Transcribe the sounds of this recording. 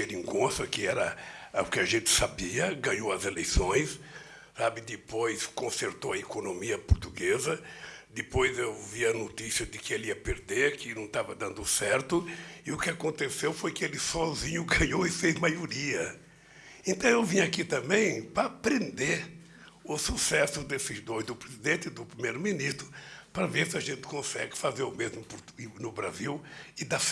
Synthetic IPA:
peɾĩŋɡõsɐkɪɛɾɐʊkɪɐʒẽnt̪ɪ̥sabiɐɡɐ̃ɲowɐzelejsõj̃s | sabɪd̪ɪpojskõseɾt̪owɐekonõmiɐpʊɾt̪uɡezɐ | d̪ɪpojzewviɐnot̪isjɐd̪ɪkɪeliɐpeɾd̪eɾkɪnɐ̃w̃t̪avɐd̪ɐ̃nd̪ʊsɛɾt̪ʊɪʊkɪakõnt̪esewfojkɪelɪsɔzĩɲʊɡɐ̃ɲoɪfezmajoɾiɐ | ẽnt̪ɐ̃w̃ewvĩɲʊakit̪ɐ̃mbẽj̃pɾɐapɾẽnd̪eɾ | ʊsusɛsʊd̪esɪzd̪ojzd̪ʊpɾezid̪ẽnt̪ɪd̪ʊpɾimejɾʊminist̪ɾʊpɾɐveɾsɪaʒẽnt̪ɪ̥kõsɛɡɪfazeɾʊmezmʊpʊɾt̪inʊbɾa̰ziwɪd̪a

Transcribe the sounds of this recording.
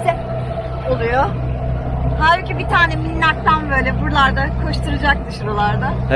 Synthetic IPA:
sɛ | olˠujo | haɾycʲybit̪ʰaːnɛminːʲak̚t̪ʰanbø̞ːlʲɛbuɾlˠaɾd̪akʰoʃt̪ʰuɾɯd͡ʒak̚t̪ʰɯʃuɾolˠaɾd̪a

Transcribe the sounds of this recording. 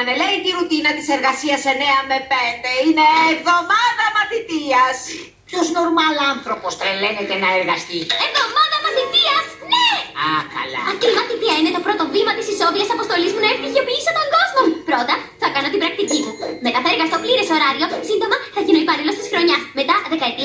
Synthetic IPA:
ɐneleit̪iɾut̪inɐt̪ise̞ɾɣɐsiɐseneɐmepend̪e̞ineːvðo̞mɐðɐmɐθit̪iɐs | o̞zno̞ɾmɐlɐnθɾo̞post̪ɾelenecenɐeɾɣɐst̪ievðo̞mɐðɐmɐθit̪iɐs | neɐkɐ̰lɐ̰ɐtimɐθit̪iɐine̞t̪o̞pɾo̞t̪o̞vimɐt̪isiso̞ðiɐsɐpo̞st̪o̞lizmunɐepiʝopiisot̪o̞ŋɡo̞zmo̞mpɾo̞t̪ɐθɐkɐno̞t̪ibɾɐk̚t̪icimume̞t̪ɐθɐe̞ɾɣɐst̪o̞pliɾeso̞ɾɐɾio̞sind̪omɐθɐʝino̞ipɐlilo̞st̪isxɾo̞ɲɐsme̞t̪ɐðe̞kɐet̪ɾiɐ

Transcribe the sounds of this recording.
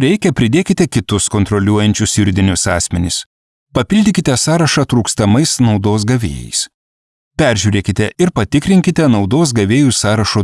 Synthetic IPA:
ɾʲɛɪkʲɛpʲɾʲɪd̪ʲeːkʲɪt̪ʲɛkʲɪt̪ʊskɔnt̪ɾɔlʲuɔjɛnʲt͡ʃʲʊsʲjɪɾʲd̪ʲɪnʲʊsɑːsʲmʲɛnʲɪs | pɐpʲɪlʲd̪ʲɪkʲɪt̪ʲɛsɑːɾɐʃɑt̪ɾuːkst̪ɐmɐɪsnɒʊd̪oːs̬ɡɐʋʲḛːjɛ̰ɪs | pʲæˑɾʲʒʲuːɾʲeːkʲɪt̪ʲɛɪɾpɐt̪ʲɪkɾʲɪŋʲkʲɪt̪ʲɛnɒʊd̪oːs̬ɡɐʋʲeːjusɑːɾɐʃoː

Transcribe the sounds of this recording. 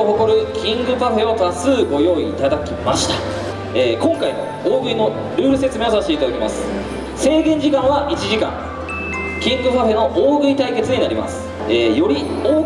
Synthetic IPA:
oɦo̞ko̞ɾɯ̟kʲĩŋɡɯ̟paɸe̞o̞t̪asɨːɡo̞jo̞ːiːt̪ad̪akʲimaɕi̥t̪ḁ | eːkõ̞ŋkaimo | oːɡɯ̟ino̞ | ɾɯ̟ːɾɯ̟se̞t͡sɨme̞o̞s̬aɕt̪eit̪ad̪akʲemasɨ̥ | se̞ːɡ̪ẽ̞ɲ̟d͡ʑikãɰ̃βaʔit͡ɕiʑikã̰ŋ | kʲĩŋɡɯ̟paɸe̞no̞ʔoːɡɯ̟it̪aike̞t͡sɨɲ̟inaɾʲima̰sɨ̥ | eːjo̞ɾʲioː

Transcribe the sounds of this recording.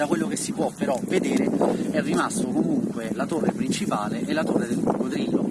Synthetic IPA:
d̪akwelːokesːipwɔpːeɾɔved̪ɛːɾeɛrːimast̪okomuŋkwelat̪orːepɾint͡ʃipaːleʔelːat̪orːed̪elbṵrɡot̪ɾiːlːo

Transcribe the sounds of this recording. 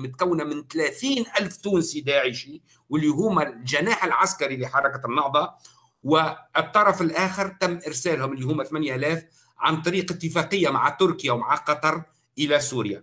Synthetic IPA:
mɪt̪̚kawːnamɪnt̪læːθiːnʔælft̪uːnsid̪aːʕəʃi | wɪlːiɦʊːmːælʒanaːħɪlʕaskaɾiliħɑɾˤɑkanːɑhðˤɑ | wɪɪt̪ˤːɑɾˤɑfɪlʔæːxɪɾt̪æmːʔɪɾsæːlhʊmɪlːihuːmːæθmænjʔælæːf | ʕa̰nt̪ˤɑɾiːqət̪ːəfɑːqəjːamaʕat̪ʊɾkjawmaʕaqɑt̪ˤɑɾˤ | ʔəlæsuːɾja

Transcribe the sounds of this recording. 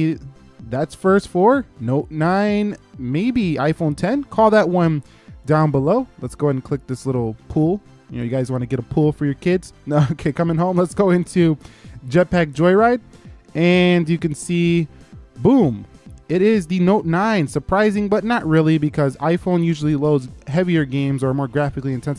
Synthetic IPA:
ðætsfɜ˞stfə˞noʊtⁿnãɪ̃nmeɪbia̰ɪfõʊ̃ntʰɛ̃nkʰɔlˠðɨt̚wʌ̃n | dãʊ̃nbəloʊlətsɡ̥oʊɨ̃nkʰl̥ɪk̚ðɪslɪɾl̩ˠpʰulˠ | jɨnoʊjɨɡaɪzwɑ̃nɨɡɛɾəpʰulˠfə˞jə˞kʰɪdz̥noʊkʰeɪkʰʌ̃mɨ̃ŋɦõʊ̃mlətsɡ̥oʊɪ̃ntʰʉd͡ʒɛt̚pæk̚ʒɔɪɹaɪt̚ɨ̃njɨkɨ̃n̩si | bũmɪɾɪzðɨnoʊtⁿnãɪ̃nsə˞pʰɹ̥aɪzɪ̃ŋbʌtⁿnəʔ̚ɹɪlˠibɨkʰʌza̰ɪfõʊ̃njʉʒl̩ˠiloʊdz̥ɦɛviə˞ɡẽɪ̃mzə˞mɔɹɡɹæfɨkliɨ̃ntʰɛ̃ns

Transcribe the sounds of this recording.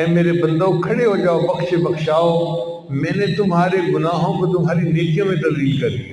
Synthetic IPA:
ɛ̃ːmeːɾebɐ̃nd̪okʰɐɽeɦõːɲd͡ʒaːobɐxʃebɐxʃaːo | mɛ̃ːnẽt̪ʊmɦaːɾeɡʊnaːɦõbɪt̪ʊmɦaːɾineːkijõmẽt̪ɐɾd̪iːlkɐɾd̪i

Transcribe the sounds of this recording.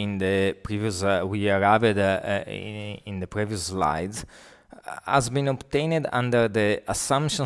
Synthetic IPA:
ĩnd̪əpɾiviuswiaɾavəd̪ | ĩnd̪əpɾiviusla̰jdz | a̰zbĩnɔbt̪ẽjnd̪ã̰nd̪əɾd̪əasãmpʃɔ̃

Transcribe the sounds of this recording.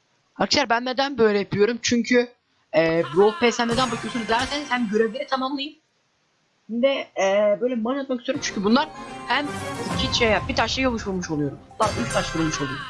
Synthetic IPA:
hakʰɯʃaɾbænːed̪ænbøjlʲɛjapʰijo̞ɾumt͡ʃʰyɲcʰy | ɛːbɾolˠpʰesæmned̪ænbucʰyt̪ʰyɾyd̪æɾseniz̥hæmɟøɾevlʲeɾit̪ʰamamlˠɯjɯm | ind̪ɛːbøjlʲɛmaat̪̚makisʰyjoɾmt͡ʃʰy̥ɲcʰybunlˠaɾhæmt̪ʰicʰit͡ʃejjabit̪ʰat͡ʃlˠɯjomˠuʃulˠmuʃo̞lˠujo̞ɾumd̪ˠaʔilʲct̪ʰaʃuɾulˠmuʃolˠujoɾum

